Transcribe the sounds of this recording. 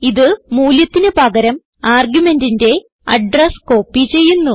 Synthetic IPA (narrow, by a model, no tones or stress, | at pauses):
iðɨmuːljɐt̪ːinɨpɐɡɐɾɐm | aːrɡjume̞ndinde̞ | ɐ̰ɖrɐsko̞ːpːit͡ɕe̞jːunːu